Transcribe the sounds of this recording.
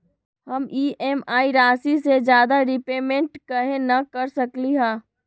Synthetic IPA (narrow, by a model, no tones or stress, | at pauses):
hɐmiːʔɛːmaːiɾaːsised͡ʒjaːd̪aɾɪpeːmẽɳʈkɐɦẽnɐkɐɾsɐkliɦãː